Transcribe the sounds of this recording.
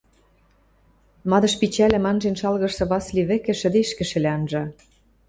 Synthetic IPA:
mɑd̪ɤ̆ʃpit͡ɕælʲɘ̆mɑnʒenʃɑlɣɤ̆ʃsɤ̆βɑsliβɘ̆kɘ̆ʃɘ̆d̪eʃkɘ̆ʃɘ̆leɑnʒɑ

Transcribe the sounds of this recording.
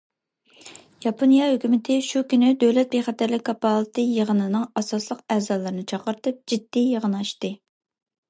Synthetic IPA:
jɑpʰonjɑhøkʲymɪt̪ʰɪʃukʲynɪd̪øwlɛt̪̚beχɛt̪æɾlɪkʲkʰːɑpɑlˠɨt̪ʰɨjəʁənɨnɨŋɑsɑslˠəqæːzɑlˠɨɾɨnɨt͡ʃʰɑqəɾt̪ɨp̚d͡ʒid̪ːijəʁənɑʃt̪ɨ

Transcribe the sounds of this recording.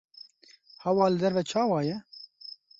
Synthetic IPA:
hɛwɑːlɨd̪ɛɾvɛt͡ʃʰɑːwɑːjɛ

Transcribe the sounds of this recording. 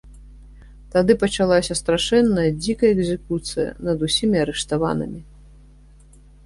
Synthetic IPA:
t̪ad̪ɨpɐt͡ʂalˠasʲɐst̪ɾaʂɛnːɐjɐd͡zʲikɐjɐɛɡzʲɛkut̪sɨjɐ̰nɐd̪usʲimʲiɐɾɛʂt̪ava̰nɨ̰mʲi

